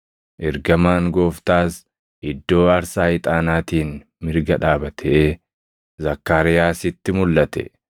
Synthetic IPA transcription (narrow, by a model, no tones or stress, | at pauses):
ʔɛɾɡɐmaːŋɡoːft̪aːs | ʔɪd̪ːo̞ːɐɾsaːɪt̪ʼaːnaːt̪iːn | mɪɾɡɐᶑaːbɐt̪ʰɛʔeː | zɐkːaːɾɪjaːsɪt̪ːɪmʊlːɐt̪ɛ̰